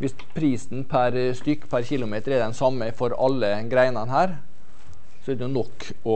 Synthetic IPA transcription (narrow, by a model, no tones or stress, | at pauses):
ʋɪs | pʰɾiːsn̩pʰæɾst̪ʏkːpʰæɾçɪlʊmeːt̪əɾɛd̪ɛnsɑmːəfɔɾɑlːə | ɡɾæɪnɑnhæːɾ | sɔɛd̪ɛjʊnɔkː | ɔ